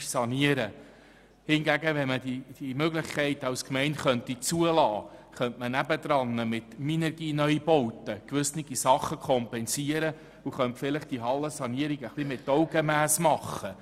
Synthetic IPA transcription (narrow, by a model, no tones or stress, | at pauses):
sɑniəɾə | hɪnɡæɡəʋɛnmədid̥imøɡləχkʰɛɪtɑwskmɛɪnχœntit͡suəlɑːχœntmənæbəd̥̪ɾɑnːəmɪt̪minɛɾɡiːnœʏbɔwt̪əkʋʏsniɡisɑχːəkʰɔmpɛnsiəɾə | uχœntfɪlɪχd̥iɦɑlːəsɑniəɾiɡəχlimɪtːɔwɡəmæːsmɑχə